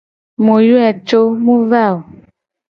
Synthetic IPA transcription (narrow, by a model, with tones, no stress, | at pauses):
mo˨ju˦ɛ˨t͡ʃo˦mũ˦va˦˨o˨